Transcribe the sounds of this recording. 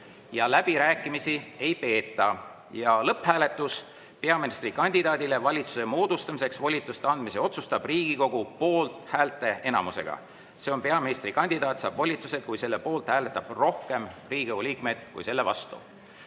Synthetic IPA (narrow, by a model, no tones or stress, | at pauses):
jɑlæb̥iɾæːkˑːimisie̞jpe̞ːt̪ːˑɑ | jɑlɤphæːle̞t̪ːˑus | pe̞ɑminist̪rikɑnʲd̪̥id̪ɑːd̪̥ile̞vɑlʲit̪su̥se̞moːd̪̥ust̪ɑmise̞ksvo̞lʲit̪ːˑust̪ɑnd̪̥mise̞o̞t̪sust̪ɑb̥riːɡ̥iko̞ɡ̥upo̞ːlt̪ˑhæːlt̪ːˑe̞ʔe̞nɑ̰muse̞̰ɡ̥ɑ̰ | se̞o̞npe̞ɑminist̪rikɑnʲd̪̥id̪ɑːt̪sɑːb̥vo̞lʲit̪ːˑuse̞d̪̥̚kujse̞lːe̞po̞ːlt̪hæːle̞t̪ːˑɑb̥ro̞hke̞mriːɡiɡeuliːkme̞d̪̥kṵjse̞lːe̞vɑ̰st̪ṵ